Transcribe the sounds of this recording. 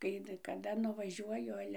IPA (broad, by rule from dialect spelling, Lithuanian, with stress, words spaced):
kɐɪ kɐˈdɐ nʊʋɐˈʒʲuɔjʊ ˈɑːlʲɛ